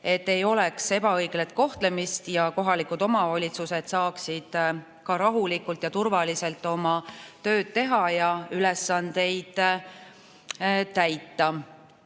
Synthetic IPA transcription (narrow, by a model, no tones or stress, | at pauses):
e̞t̪ːe̞jo̞lekse̞b̥ɑɤjɡ̥le̞t̪̚ko̞ht̪le̞mist̪jɑko̞ɦɑlikud̪̥o̞mɑvɑlʲit̪suse̞d̪̥sɑːksid̪̥ | kɑɾɑɦulikːult̪jɑt̪urvɑlise̞lt̪ːˑo̞mɑt̪ø̞ːd̪̥̚t̪e̞ɦɑjɑyle̞sːɑnd̪̥e̞jd̪̥ | t̪æjt̪ːˑɑ